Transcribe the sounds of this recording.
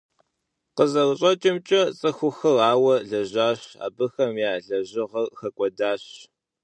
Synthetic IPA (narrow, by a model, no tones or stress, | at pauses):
qəzɐrɕʼɐt͡ʃʼɪmt͡ʃʼɐt͡sʼɐxʷʊxɐraːwɐɮɐʑaːɕa̰ːbɨxɐmjaːɮɐʑɪʁɐrxɐkʷʼɔdaːɕ